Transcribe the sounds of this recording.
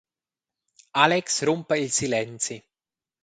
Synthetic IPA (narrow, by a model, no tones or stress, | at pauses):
alɛksɾumpeilsilɛnt̪si